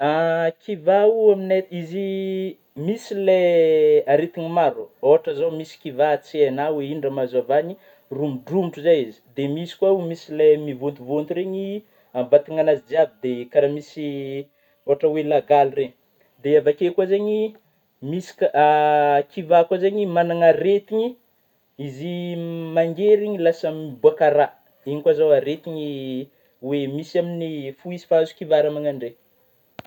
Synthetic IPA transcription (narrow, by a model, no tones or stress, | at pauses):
akʰivauamineizi | misileaɾet̪iɲimaɾuoɦaʈ͡ʂəzomisi̥kivat͡seanaweinɖ͡ʐamazavani | rumuɖ͡ʐumiʈ͡ʂuzajizi̥d̪emisi̥kwaumisilemivunt̪uvont̪uɾeɲi | ambat̪iŋanazid͡ziavid̪ekaɾamisi | oaʈ͡ʂəwelaɡalireɲ | d̪eavakekazeɲi | misi̥k | kivakwazeɲimanaŋaɾet̪iɲi | izimaŋɡeɾiɲilasəmibuakaɾa | iɲikwazawaɾet̪iɲi | wemisaminifuizi̥faazu̥kivaɾamaŋaɳɖ͡ʐe